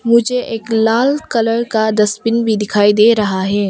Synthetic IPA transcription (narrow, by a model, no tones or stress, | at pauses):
mʊd͡ʒʱeʔeːklaːlkɐləɽkad̪ɐspɪnbʱid̪ɪkʰaːid̪eːɾɐɦaɦɛː